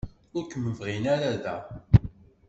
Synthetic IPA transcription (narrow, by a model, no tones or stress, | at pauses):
ʊɾkːəmːəvʁinæɾæðæ